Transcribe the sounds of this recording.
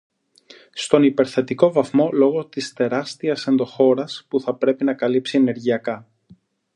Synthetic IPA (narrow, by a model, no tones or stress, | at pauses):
st̪o̞nipe̞ɾθe̞t̪iko̞vɐθmo̞lo̞ɣo̞t̪ist̪e̞ɾɐst̪iɐse̞nd̪o̞xo̞ɾɐspuθɐpɾe̞pinɐkɐlipsiene̞ɾʝiɐkɐ